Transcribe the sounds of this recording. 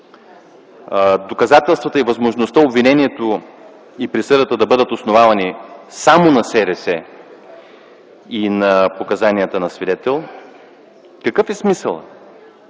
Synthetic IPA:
d̪okɐzat̪ɛlˠst̪vət̪əivɐzmoʒnost̪əobvinɛniɛt̪o | ipɾisɤɾd̪ət̪əd̪ɐbɤd̪ət̪osnovavɐnisamonɐsɛɾɛsɛ | inɐpokɐzanijət̪ənɐsvid̪ɛt̪ɛlˠ | kɐkɤfɛsmisə̰lˠ

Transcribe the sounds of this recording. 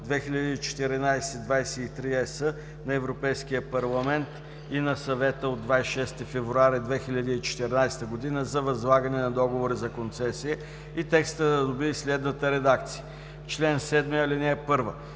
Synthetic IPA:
d̪vɛxiʎʲɐd̪iːt͡ʃɛ̥t̪ɛɾinajsɛd̪vajsɛit̪ɾiɛsə | nɐɛvɾopɛjskijəpɐɾlˠɐmɛnt̪ | inɐsɐvɛt̪əod̪vaiʃɛst̪ifɛvɾuaɾid̪vɛxiʎʲɐd̪əit͡ʃɛ̥t̪ɛɾnajst̪əɡʊd̪inəzɐvɐzlˠaɡɐnɛnɐd̪ɔɡovoɾizɐkont̪sɛsiə | it̪ɛkst̪əd̪ɐd̪obiislɛd̪nət̪əɾɛd̪ak̚t̪sijə | t͡ʃlɛnsɛd̪mɛɐlinɛːpɤɾvə

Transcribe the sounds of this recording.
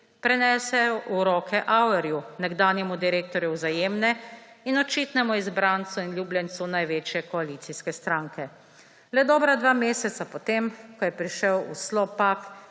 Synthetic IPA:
pɾɛnɛːsɛjɔʔuɾɔːkʰɛʔawɛɾjunɛɡd̪aːnjɛmud̪iɾeːk̚t̪ɔɾjuwzajeːmnɛ | inɔt͡ʃiːt̪nɛmɔizbɾant̪sɔinljuːblʲjɛnt̪sunajʋeːt͡ʃjɛkɔalit̪siskɛst̪ɾaːŋkɛ | lɛd̪ɔːbɾad̪ʋaːmeːsɛt̪sapɔt̪emkɔjɛpɾiʃəwṵslɔpak

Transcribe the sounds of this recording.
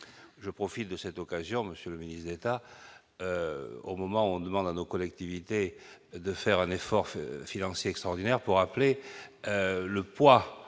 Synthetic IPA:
ʒəpχɔfit̪̚d̪əsɛt̪ɔkazjɔ̃məsjøləminist̪ʰd̪et̪a | o̰mɔmɑ̃uɔ̃d̪əmɑ̃d̪anokɔlɛk̚t̪ivit̪ed̪əfɛʁɛ̃nefɔʁfinɑ̃sjeɛkst̪χɔʁd̪inɛʁpuʁaple | ləpwa

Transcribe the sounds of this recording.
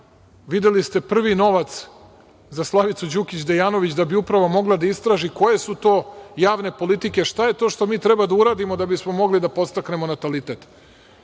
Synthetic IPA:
ʋid̪elist̪e̞pr̩ʋino̞ʋat̪s | zaslˠaʋit̪sud͡ʑukʲit͡ɕd̪ejaːno̞ʋit͡ɕd̪abiupɾaʋomo̞ɡlad̪aist̪ɾaːʒiko̞je̞sut̪o̞ːjaːʋne̞po̞lit̪ike̞ʃt̪aje̞t̪o̞ʃt̪o̞miːt̪ɾebad̪auɾaːd̪imod̪abismo̞mo̞ɡlid̪apo̞st̪akne̞mo̞nat̪alit̪e̞t̪

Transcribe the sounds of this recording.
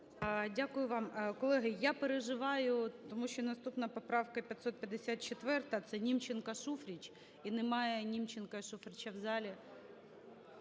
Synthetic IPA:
dʲakʊjʊʋɑmkɔlˠɛɦɪjapeɾeʒɪʋɑjʊt̪ɔmuʃʲt͡ʃɔnɐst̪upnɐpɔpɾɑʋkɐpʲjɐt̪ʲsɔt̪̚pʲjɐd̪esʲat̪̚t͡ʃet̪ʋɛrt̪ɐt̪sɛnʲimt͡ʃenkɐʃufɾʲit͡ʃʲ | inemɑjɛnʲimt͡ʃenkɐʃufɾʲɪt͡ʃɐwzɑlʲi

